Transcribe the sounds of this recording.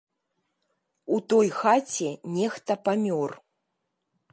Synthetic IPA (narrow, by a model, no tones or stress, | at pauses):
ut̪ɔjxat͡sʲɛnʲɛxt̪ɐpamʲɔr